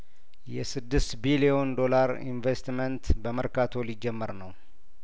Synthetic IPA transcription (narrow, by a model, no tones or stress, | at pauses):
jɛsɨd̪ːɨst̪bilio̞nd̪o̞laɾḭnvest̪mənt̪bəməɾkat̪ʰo̞lid͡ʒːɛmːəɾnəw